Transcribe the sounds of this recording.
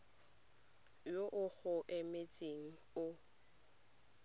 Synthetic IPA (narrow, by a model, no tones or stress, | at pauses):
joʔʊɣʊʔɪmet͡sʼeŋ̩ | ʊ